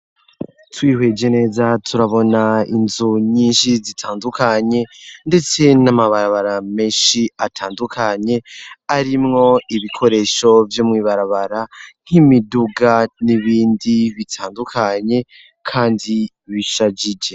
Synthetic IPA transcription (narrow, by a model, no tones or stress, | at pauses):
twiːhwe̞d͡ʒe̞ne̞ːzatʰuɾaβo̞naḭnzuɲiːnʃizitʰaːndukaɲe̞nde̞t͡se̞namaβaɾaβaɾame̞ːʃiatʰaːndukʰaɲe̞aɾimŋo̞iβikʰo̞ɾe̞ʃo̞vjo̞mŋiːβaɾaβaɾan̥himiduɡaniβiːndiβitʰaːndukʰaɲe̞ | kʰaːndi | βiʃad͡ʒid͡ʒe̞